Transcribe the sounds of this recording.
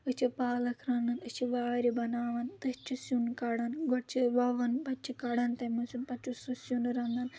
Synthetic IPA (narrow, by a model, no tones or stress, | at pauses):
ɨt͡ʃʰipaːlɐkʰɾɐnd̪ɐnɨt͡ʃʰiʋaːɾibɐnaːʋɐnt̪ɨt͡ʃʰisunkaːɽɐnɡʱɔɽt͡ʃʰiʋaːʋɐnbɐt͡ʃʰikaːɽɐnt̪ɐmusʲunpɐt͡ʃususunɾɐnd̪ɐn